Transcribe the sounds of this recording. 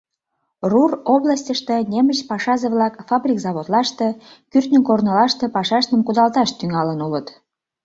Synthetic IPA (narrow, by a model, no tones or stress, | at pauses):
ruroblɑsʲtʲəʃt̪enʲemət͡ɕpɑʃɑzeβlɑkfɑbrʲikzɑβot̪lɑʃt̪e | kyrt̪nʲəkornəlɑʃt̪ĕpɑʃɑʃt̪əmkud̪ɑlt̪ɑʃt̪yŋɑlənulət̪